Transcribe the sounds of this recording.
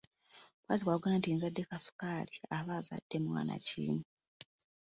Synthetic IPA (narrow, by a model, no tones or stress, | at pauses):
kwaziwaːɡanantiːnzadːe̞kasu̥kaːliaβaːza̰d̥ːe̞mwa̰ːna̰cḭːni